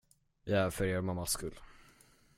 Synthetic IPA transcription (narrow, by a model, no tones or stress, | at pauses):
jafœɾeːɾmamːaskɵlː